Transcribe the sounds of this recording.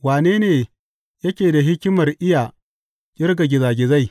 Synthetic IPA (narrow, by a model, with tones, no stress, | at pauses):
waː˨neː˦neː˨ | jɐ˦kʲeː˨da˨ɦɪ˦kʲɪ˦mɐ˨rʔɪ˦jaː˨ | kʲʼɪ˦rɡa˨ɡʲɪ˨zaː˨ɡʲɪ˨za˦˨j